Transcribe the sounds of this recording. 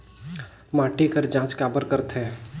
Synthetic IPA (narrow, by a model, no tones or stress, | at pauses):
maːʈekəɾd͡ʒãːt͡ʃkaːbəɾkəɾt̪ɦɛː